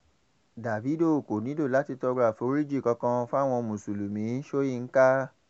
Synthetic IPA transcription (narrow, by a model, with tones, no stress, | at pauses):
da˨fi˨˦do˦˨ko˨nĩ˨˦do˦˨la˨˦ti˧tɔ˧ɡɾa˦˨fo˨˦ɾi˦d͡ʒi˦˨kɔ̃˧kã˧fũ˦a˦˨w̃ɔ̃˧mũ˨su˨lu˨mĩ˨˦ʃo˦ji˦˧˨ŋ̩˦ka˦